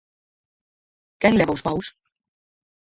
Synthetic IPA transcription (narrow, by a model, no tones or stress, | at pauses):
kɛŋlɛβawspaws